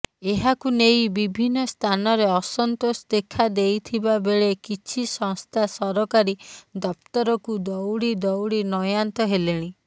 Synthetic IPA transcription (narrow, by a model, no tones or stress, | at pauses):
eɦakunejbibʱinːɔst̪ʰanɔɾeɔsɔnt̪osd̪ekʰad̪ejt̪ʰibabeɭekit͡ʃʰisɔŋst̪ʰasɔɾɔkaɾid̪ɔp̚t̪ɔɾɔkud̪ɔwɽid̪ɔwɽinɔjant̪ɔɦeleɽ̃i